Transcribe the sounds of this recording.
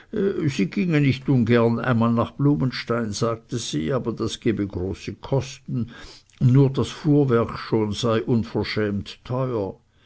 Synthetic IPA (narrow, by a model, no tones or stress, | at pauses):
z̥iːɡ̥ɪŋənɪçtʊnɡɛɐna̰ɪnmaːlnaːχb̥luːmənʃtaɪnz̥aːɡ̚təz̥ḭːaːbɐd̥asɡ̥eːbəɡʁoːsəkʰɔstn̩ | nuːɐdasfuːɐvɛɐkʃoːnz̥aɪʔʊnfɛɐʃɛːmttʰɔʏɐ